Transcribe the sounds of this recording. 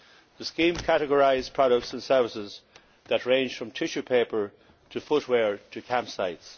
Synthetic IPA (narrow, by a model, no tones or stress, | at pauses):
ðəskĩːmkʰaɾəɡəɹaɪzpʰɹ̥ɑɾək̚tsə̃nsɜ˞vɪsɪz | ðətɹẽɪ̃nʒ̥fɹʌ̃mtʰɪʃʉpʰeɪpə˞ | ɾʰəfʊt̚ʰwɛɹɾʰəkʰæ̃mpsaɪts